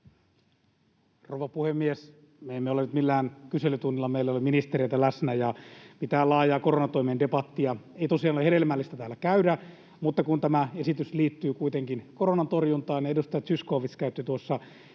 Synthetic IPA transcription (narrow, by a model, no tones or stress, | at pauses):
rouʋɑpuhemːies | meemːeolenyt̪milːæːnkyselyt̪unːilːɑmeilːæoleminist̪erieit̪ælæsnæjɑmit̪æːlɑːjɑːkoronɑt̪oimende̞pɑt̪ːiɑ | eit̪o̞siɑnoleheɾelmælːist̪æt̪æːlːækæydæ | mut̪ːɑkunt̪æmæesit̪ysliːt̪ːyːkuit̪eŋkinkoɾonɑnt̪orjunt̪ɑːniedust̪ɑjɑt̪syskoːʋiskæyt̪ːit̪uosːɑ